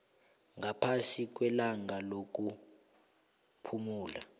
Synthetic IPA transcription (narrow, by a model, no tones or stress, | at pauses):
ŋapʰasik̬ʼwɛlaŋalok̬ʼu | pʰumuːla̰